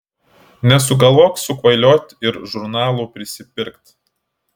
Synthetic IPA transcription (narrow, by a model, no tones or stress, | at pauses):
nʲɛsʊɡɐlˠʋoːksʊkʋɐɪlʲoːt̪ʲɪɾʒʊɾnɑːlˠuːpʲɾʲɪsʲɪpʲɪɾkt̪